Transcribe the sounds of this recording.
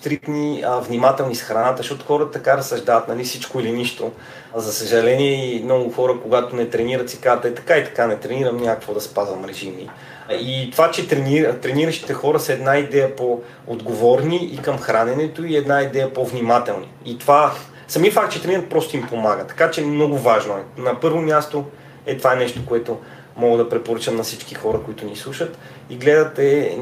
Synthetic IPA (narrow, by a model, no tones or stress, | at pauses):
st̪ɾit̪nivnʲimat̪ɛlˠnisxɾɐnat̪əzʃɔt̪o̥xɔɾət̪t̪ɐkaɾɐsɐʒd̪avət̪nɐlifsit͡ʃkoiliniʃt̪o | zɐsəʒɐlɛniɛimnɔɡʊxɔɾəkoɡat̪onɛt̪ɾɛniɾət̪sikazət̪ɛt̪ɐ̥kait̪ɐ̥kanɛt̪ɾɛniɾəmnʲakəkvod̪ɐspazvɐmɾɛʒimḭ | it̪ovat͡ʃɛt̪ɾɛniɾt̪ɾɛniɾəʃt̪i̥t̪ɛxɔɾəsəɛd̪naid̪ɛjəpo | od̪ɡovɔɾniikɐmxɾanɛnɛt̪oiɛd̪naid̪ɛjəpovnimat̪ɛlˠnḭːt̪ova | sɐmifak̚t̪̚t͡ʃɛt̪ɾɛniɾət̪̚pɾɔst̪oimpomaɡət̪ɐ̥kat͡ʃɛmnɔɡʊvaʒnoɛnɐpɤɾvomʲjast̪o | ɛt̪ovaɛnɛʃt̪okoɛt̪o | mɔɡəd̪ɐpɾɛpoɾɤt͡ʃəmnɐsit͡ʃkixɔɾəkoit̪ʊnislˠuʃət̪ | iɡlɛd̪ət̪ɛ